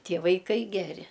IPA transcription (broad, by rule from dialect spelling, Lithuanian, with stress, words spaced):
ˈtʲiɛ ʋɐɪˈkɐɪ ˈɡʲæːrʲɪ